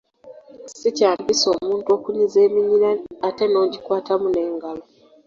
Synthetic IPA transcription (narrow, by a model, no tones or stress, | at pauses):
sicaːmpiso̞ːmuːntuo̞ːkuɲize̞ːmiɲilaate̞no̞ːɟikwaːtamune̞ːŋɡalo